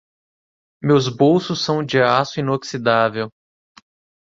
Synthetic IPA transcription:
mewzbowsʊsːɐ̃w̃d͡ʒiasʊĩnoksid̪avew

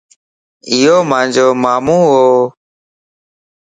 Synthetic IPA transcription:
ɪjoːmãːɲd͡ʒoːmaːmũːɦoː

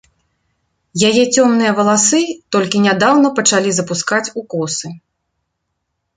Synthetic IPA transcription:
jajɛt͡sʲɔmnɨjɐvɐlˠasɨt̪ɔlʲkʲinʲad̪awnɐpɐt͡ʂalʲizɐpuskat͡sʲukɔsɨ

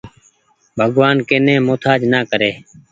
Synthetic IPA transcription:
bʱəɡʋaːnkeːnẽːmoːt̪ʰaːd͡ʒnaːkəɾeː

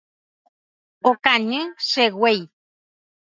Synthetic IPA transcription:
okaɲɨ̃ʃeɣwej

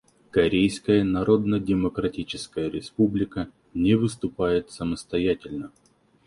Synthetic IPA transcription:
kɐɾʲejskəjənɐɾo̞d̪nədʲɪməkɾɐtʲit͡ɕɪskəjəɾʲɪspublʲɪkə | nʲɪvɨst̪ʊpajɪt̪səməst̪ɐjatʲɪlʲnə

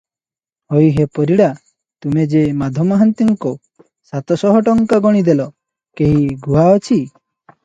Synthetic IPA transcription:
hojɦepɔɾiɽa | t̪umed͡ʒemad̪ʱɔmɔɦant̪iŋko | sat̪ɔsɔɦɔʈɔŋkaɡɔɽ̃id̪elɔ | keɦiɡʱuɦaɔt͡ʃʰi

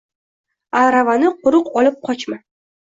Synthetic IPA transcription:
aɾavanɪqʊɾʊqɒlˠɪp̚qʰɒt͡ʃma

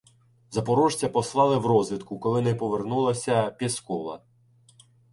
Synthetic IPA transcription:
zɐpɔɾɔʒt͡sʲɐpɔslˠɑlˠɪwrɔzʋʲid̪kʊkɔlˠɪnɛpɔʋe̞rnulˠɐsʲɐpʲiskɔʋɐ̰

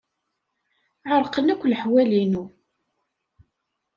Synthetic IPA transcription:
ʕəɾˤqənækʷːləħwælinu

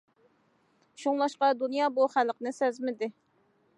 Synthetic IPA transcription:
ʃuŋlˠɑʃqɑd̪unjɑːbuχælqnɨsɛzmɪd̪ɪ

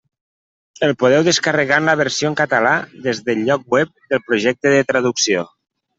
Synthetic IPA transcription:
əlˠpoð̞ɛwðəskarəɣanləβ̞əɾsioŋkat̪əlaðezðəlʎːɔk̚wɛp̚d̪əlˠpɾuʒɛk̚t̪əðət̪ɾaðuksio

